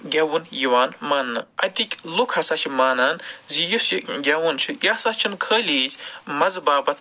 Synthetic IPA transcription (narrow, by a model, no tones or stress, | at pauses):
ɡʲɐwunjiʋaːnmanːɨɐ̰t̪ikʲlukʰɐsɐt͡ʃʰimaːnaːnzijusjiɡʲɐwunt͡ʃʰijasaːt͡ʃʰinkʰəːlʲiːt͡ʃʰʲmɐzbaːbɐt̪ʰ